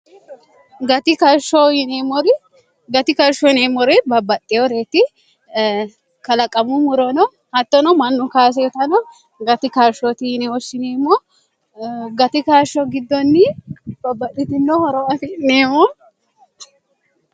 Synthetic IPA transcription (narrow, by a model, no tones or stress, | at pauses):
ɡɐt̪ɪkɐɾʃɔɪnemɔɾɪ | ɡɐt̪ɪkɐɾʃɔɪnemːɔɾɛbɐbːɐt̪ʼːɪjɔɾeːt̪ɪ | kɐlɐkʼːɐmʊmʊɾɔnɔ | hɐt̪ːɔnɔmɐnːʊkaːs̬ɛjɔt̪ɐnɔ | ɡɐt̪ɪkaːɾʃɔt̪ɪjɪnɛɔʃːɪneːmːɔ | ɡɐt̪ɪkaːʃɔɡɪd̪ːɔnːɪb̥ɐbːɐt̪ːɪt̪ɪnːɔhɔɾɔɐfɪneːmːɔ